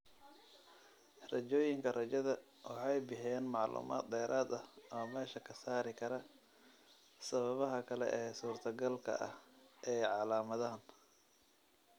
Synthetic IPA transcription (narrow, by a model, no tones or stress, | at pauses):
rɐt͡ʃɔːjɪŋkʰɐrɐt͡ʃɐðɐ | wɑħɑjbɪħɛːnmɑʕlṵːmʔa̰ːt̪̚d̪ɛːɾʔaːd̪ɐhɔmɛːʃɐkʰɐsaːɾɪkʰɐɾɐ | sɐβɐβɐɦɐkʰɐlɛ̰ʔɛːsuːrt̪ʰɐɡɐlkʰɐ̰ʔɐ̰hʔɛjʕɑlaːmɐðaːn